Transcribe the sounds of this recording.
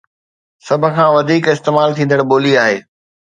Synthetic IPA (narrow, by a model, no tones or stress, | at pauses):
sɐbʱə̆kʰãːʋɐd̪ʱiːkɪst̪eːmaːlt̪ʰĩːn̆d̪əɽɓoːliaːɦeː